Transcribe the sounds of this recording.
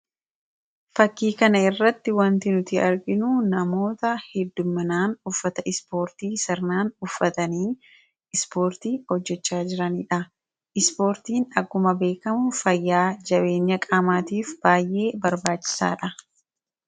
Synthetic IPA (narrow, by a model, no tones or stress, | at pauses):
fɐkːiːkɐnɐɪrːɐt̪ːɪwɐnt̪ɪnʊt̪ɪɐɾɡɪnuːnɐmo̞ːt̪ɐhɛd̪ːʊmːɐnaːnʊfːɐt̪ɐɪspo̞ːɾt̪iːsɐɾnaːnʊfːɐt̪ɐniː | ɪspo̞ːɾt̪iːhɔd͡ʒːɛt͡ʃːaːd͡ʒɪɾɐniːᶑɐ | ʔɪspo̞ːɾt̪iːnɐɡʊmɐbe̞ːkɐmʊfɐjːaːd͡ʒɐbe̞ːɲːɐkʼaːmaːt̪iːfb̥aːjʔe̞ːbɐɾbaːt͡ʃːɪ̥sa̰ːᶑɐ